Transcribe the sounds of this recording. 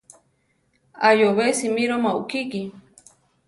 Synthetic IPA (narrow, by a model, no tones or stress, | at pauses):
ajoβesimiɾomaṵkiki